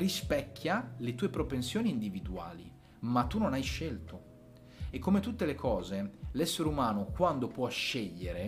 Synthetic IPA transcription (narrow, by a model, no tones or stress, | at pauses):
rispɛkʰːjalet̪uːepɾopensjoːniːnd̪ivid̪ua̰ːli | mat̪ːunonajʃelt̪o | ekːomet̪ut̪ːelekʰɔːzelɛsːeɾeumaːnokwand̪opwɔʃːeʎːeɾe